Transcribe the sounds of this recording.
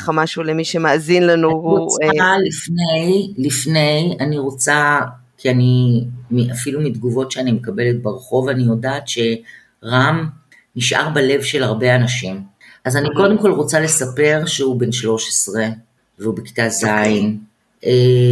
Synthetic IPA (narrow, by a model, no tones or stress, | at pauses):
amaʃulemiʃemaːzinlanuoalifnejlifne̞janiʁo̞t͡sa | kʰianimiʔafilumidɡuvo̞tʃeanimekabe̞let̚beʁeχo̞vanijo̞daːtʃe̞ | ʁam | niʃʔa̰ʁbale̞vʃelaʁbe̞anaʃimʔazaniko̞demko̞lʁo̞t͡sale̞sape̞ʁʃeube̞nʃlo̞ʃe̥sʁe̞ | veubeki̥tazain | e